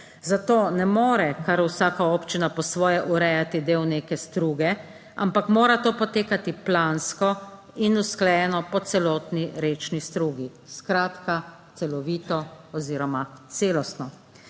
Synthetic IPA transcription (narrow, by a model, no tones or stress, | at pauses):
zat̪oːnɛmoːɾɛkaɾusaːkaoːpt͡ʃinapɔsʋɔːjɛʔuɾɛjat̪id̪eːwneːkɛst̪ɾuːɡɛ | a̰mpakmoːɾat̪oːpɔt̪eːkat̪iplaːnskɔ | inusklɛjɛnɔpɔt̪sɛlɔːt̪niɾeːt͡ʃnist̪ɾuːɡi | skɾaːt̪ka | t̪sɛlɔʋiːt̪ɔ | ɔziːɾɔmat̪seːlɔst̪nɔ